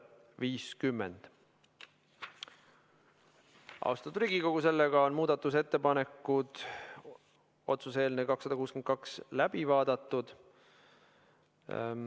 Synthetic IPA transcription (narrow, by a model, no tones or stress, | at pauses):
viːskymːḛnd̪̥ | ʔɑ̰wst̪ɑt̪u̥ɾiːɡiko̞ɡ̥use̞lːeɡ̥ɑo̞nmuːd̪̥ɑt̪ːˑuse̞t̪ːe̞pɑne̞kːˑud̪̥ | o̞̰t̪suse̞ːlnekɑksːɑd̪ɑkuːskenkɑkslæb̥ivɑːd̪̥ɑt̪ːˑud̪̥